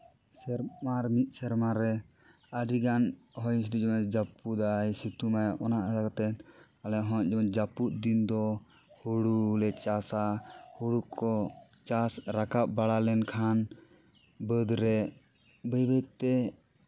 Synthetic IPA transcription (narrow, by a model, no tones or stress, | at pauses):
sɛɾmaɾmit̪̚sɛɾmaɾɛ | aɖiɡanɦɔjnsid̪id͡ʒɔmɛd͡ʒaput̪ajsit̪umajʔɔnaʔakat̪ɛn | alɛɦɔ̃d͡ʒɔmɛnd͡ʒaput̪̚d̪ind̪ɔ | huɽulɛt͡ʃasahuɽukʰɔ | t͡ʃasɾakap̚baɽalɛnkʰan | bəd̪ɾɛ | bəjbət̪t̪ɛ